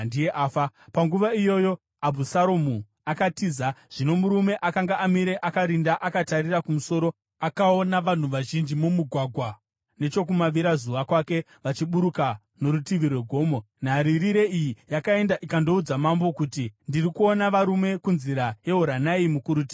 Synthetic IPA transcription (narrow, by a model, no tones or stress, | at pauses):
ndijeʔaːfapaŋɡuʋaijo̞jo̞ | abʱusaɾomu | akatiːzaʐ̥ino̞muɾume̞ʔakaŋɡaʔamiɾe̞ʔakaɾindaʔakatarirakumuso̞ɾo̞ | akaonaʋan̤uʋaʒind͡ʒimumuɡʱwaɡʱwa | ne̞t͡ʃo̞k̬umaʋiɾazuʋakwake̞ | ʋat͡ʃiɓuɾuka | no̞ɾutiʋirweɡʱo̞ːmo̞ | n̤aɾiriɾe̞ijijakae̞ndaʔikando̞ud͡zamambo̞kutindirikuo̞naʋaɾume̞kunziɾaje̞ɦoɾanaimukuɾut̬i